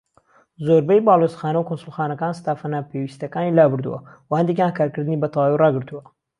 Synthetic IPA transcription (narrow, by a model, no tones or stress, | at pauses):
zoɾbɐjbaːlˠosxaːnɐwkʰonsulˠxaːnɐkaːnst̪aːfɐnapʰewist̪ɐkaːnilaːbɨɾd̪ṵwɐ̰wɐhɐnd̪ekjãːnkaːɾkɨɾd̪ɨnibɐt̪ʰɑwaːwirɑːɡɨɾt̪uwɐ